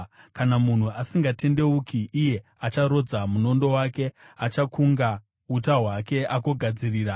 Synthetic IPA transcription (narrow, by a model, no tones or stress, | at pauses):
kanamun̤uasiŋɡate̞nde̞ukiʔːje̞ | at͡ʃaɾo̞d͡zamuno̞ndo̞wake̞ | at͡ʃakuŋɡa | utaɦwake̞ako̞ɡʱad͡ziriːra